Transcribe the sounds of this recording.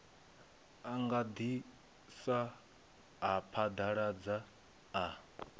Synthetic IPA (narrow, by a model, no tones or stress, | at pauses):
aŋɡad̪i | sa | ɦapʰad̪aɺad͡zaː